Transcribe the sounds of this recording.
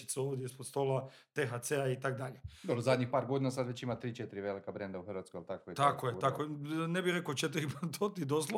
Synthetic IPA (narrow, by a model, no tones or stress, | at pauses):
i̥t̪suoːʋd̪jeispod̪st̪ola | t̪exat̪seait̪akd̪aʎed̪obɾozad̪ɲixpaːɾɡo̞d̪inasad̪ʋet͡ɕimat̪ɾiːt͡ʃet̪iɾiʋelikabɾend̪auxəɾʋat̪skojalt̪akojet̪akojet̪akojenebiɾe̞kot͡ʃet̪ɾipat̪ʰot̪id̪oslo